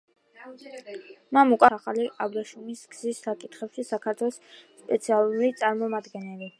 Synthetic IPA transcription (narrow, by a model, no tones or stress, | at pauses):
mamukʼwaχaliʔabɾaʃumisɡz̥isːakʼit̪ʰχɛpʃisakʰaɾt̪ʰwɛlˠɔsː | pʼɛ̰t̪sʰialˠuɾit̪sʼaɾmɔmad̪ɡɛnɛli